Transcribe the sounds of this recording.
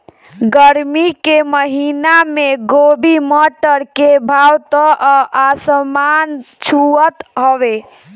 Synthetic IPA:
ɡəɾmikeməɦinameɡobʱiməʈəɾkebʱawt̪ɔʔʔasəman | t͡ʃʰuət̪ɦɔʋe

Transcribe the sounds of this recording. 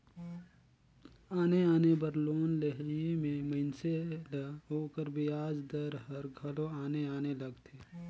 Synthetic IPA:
aːneaːnebəɾloːnleɦiemẽməɪnseləɦoːkəɾbɪjaːd͡ʒd̪əɾɦɐɾɡʱɐlõaːneaːnelɐɡt̪ʰeː

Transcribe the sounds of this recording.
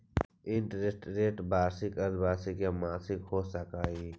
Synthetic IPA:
ɪɳʈɾesʈɾeːʈbaːsɪkɐɾbaːsikemaːsɪkhoːsəkaːiː

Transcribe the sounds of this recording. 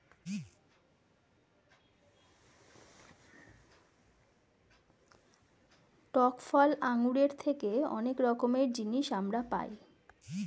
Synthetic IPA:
ʈɔkfɔlaŋuɾeɾt̪ʰekeɔ̰nekɾɔkomeɾd͡ʑiniʃamɾapa̰j

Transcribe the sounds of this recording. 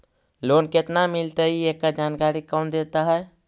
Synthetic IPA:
lonket̪namilt̪əiekːad͡ʒankaɾikɔnd̪et̪aɦɛ

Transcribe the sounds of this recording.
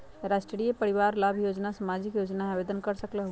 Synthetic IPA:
ɾaːsʈɾɾijepəɾɪʋaːɾlaːbʱjoːd͡ʒnasamaːd͡ʒɪkjoːd͡ʒnaaʋeːd̪ənkəɾsəklaɦo

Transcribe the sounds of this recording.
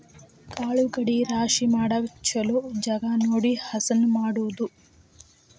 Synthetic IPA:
kaːɭuɡɐɽiɾaːʃimaːɽɐʋɐt͡ʃːɐlud͡ʒɐɡanoːɽihɐsɐnumaːɽuːd̪u

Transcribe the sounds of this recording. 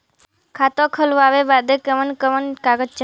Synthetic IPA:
kʰat̪okʰəlʋaːʋebaːd̪ekəʋənkəʋənkaɡət͡ʃ

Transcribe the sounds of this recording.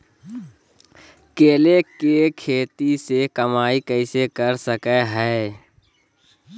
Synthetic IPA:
keːlekekʰeːt̪isekəmaːikɛɪsekəɾsəkeɦɛː

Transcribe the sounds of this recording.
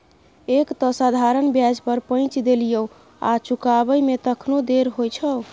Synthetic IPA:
ekt̪ɔsad̪ʱaɾənbjad͡ʒpəɾpə̃ɪ̃t͡ʃd̪elijəw | a̰t͡ʃukabəjmet̪əkʰnod̪eɾɦojt͡ʃʰə

